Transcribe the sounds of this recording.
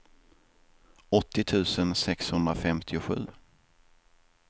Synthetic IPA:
ɔt̪ːɪt̪ʰʉ̟ːsənsɛkshɵnd̪ɾafɛmt̪ʰɪʊɧʉ̟ː

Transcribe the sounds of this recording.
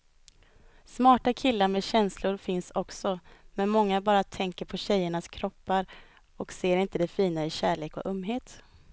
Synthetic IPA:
smɑːʈakʰɪlːaɾmɛɕɛnslʊɾfɪnsɔksɔmɛnmɔŋːabɑːɾat̪ʰɛŋkəɾpʰɔɕɛjːəɳaskʰɾɔpːaɾ | ɔkseːɾɪnt̪əd̪ɛfiːnaɪɕæːɭeːkɔ̰ʔɵmːɦeːt̪

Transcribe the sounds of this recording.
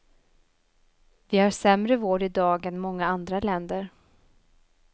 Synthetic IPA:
vɪhaʂɛmɾəvoːɖɪd̪ɑːɡɛnmɔŋːaand̪ɾalɛnd̪əɾ

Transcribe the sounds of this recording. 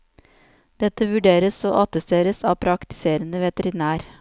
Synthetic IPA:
d̪̥ɛt̪əʋʉɖeːɾəsoːʔɑt̪əst̪eːɾəsɑːʋpʰɾɑkt̪ɪ̥seːɾənəʋɛt̪əɾɪnæːɾ

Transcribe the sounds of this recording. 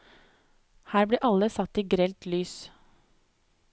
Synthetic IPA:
hæːɾbiːʔɑləsɑt̪ːiːɡɾɛlt̪lyːs

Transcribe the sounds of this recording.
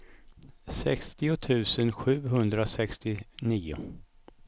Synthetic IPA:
sɛkst̪ɪʊt̪ʰʉ̟ːsənɧʉ̟ːɦɵnd̪ɾasɛkst̪ɪniːʊ̰

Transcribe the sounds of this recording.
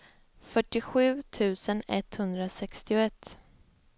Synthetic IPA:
fœʈːɪɧʉ̟ːt̪ʰʉ̟ːsənɛ̰t̪hɵnd̪ɾasɛkst̪ɪʊɛt̪ː

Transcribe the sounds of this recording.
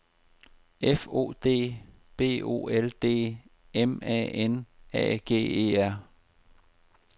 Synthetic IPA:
efo̝̰ːd̥e̝̰ː | b̥e̝̰ːo̝̰ːeld̥e̝̰ː | emɛ̰ːenɛ̰ːɡ̥e̝̰ːe̝̰ːæɐ̰

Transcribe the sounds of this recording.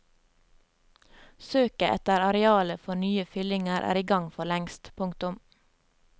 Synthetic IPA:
søːkəʔɛ̰t̪əɾɑɾɛɑːləfɔnyːəfʏlɪŋəɾʔæ̰ːɾiːɡɑŋfɔɭɛŋst̪pʰʊŋkt̪ʊm

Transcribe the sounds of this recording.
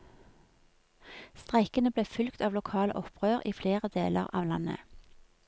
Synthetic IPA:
st̪ʁæɪkənəbleːfʏlkt̪ɑːʋlʊkʰɑːlə̰ʔɔpʰʁøːʁʔiːfleːʁəd̪eːlə̰ʁɑ̰ːʋlɑ̰nə̰

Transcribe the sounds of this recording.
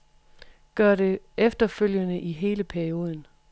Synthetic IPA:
ɡ̥ɶɐ̰ɾe̝ | efd̥ɐføl̰jənəʔiɦe̝ːləpʰæɐio̝ːð̞ˠən̩

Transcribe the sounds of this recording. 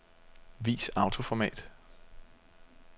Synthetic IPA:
ʋḭːsɑ̈ʊt͡sʰo̝fɒmɛ̰ːd̥

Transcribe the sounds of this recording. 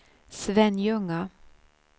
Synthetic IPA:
svɛnjɵŋːa

